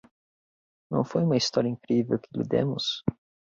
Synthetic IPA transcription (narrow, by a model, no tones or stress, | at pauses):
nɐ̃w̃fojũmɐist̪ɔɾiɐĩŋkɾivewkɪlḭd̪ḛ̃mʊs